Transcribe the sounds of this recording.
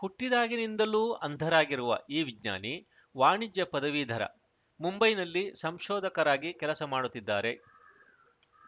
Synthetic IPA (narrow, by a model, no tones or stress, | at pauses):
huʈːid̪aːɡinind̪ɐluːɐnd̪ʱɐɾaːɡiɾuʋɐ̰ʔiːʋiɡɲa̰ːni | ʋaːɳid͡ʒjɐpɐd̪ɐʋid̪ʱɐɾɐ̰ | mumbɐjnɐlːisɐmʃɔːd̪ʱɐkɐɾaːɡikɛlɐsɐmaːɽut̪ːid̪ːaːɾe̞